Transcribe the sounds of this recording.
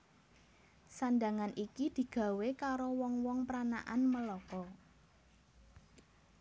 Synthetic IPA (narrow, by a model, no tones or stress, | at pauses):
sand̪aŋanikid̪̥i̤ɡ̥ä̤wekaɾowɔŋwɔŋpɾana̰ʔanməlɔkɔ